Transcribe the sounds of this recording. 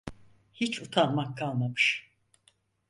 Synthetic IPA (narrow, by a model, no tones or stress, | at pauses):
hit͡ʃʰut̪ʰanmakʰːalˠmamɯʃ